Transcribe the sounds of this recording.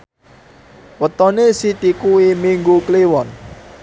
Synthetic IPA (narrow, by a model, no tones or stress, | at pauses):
wət̪ɔnesit̪ikuimiŋɡukliwɔn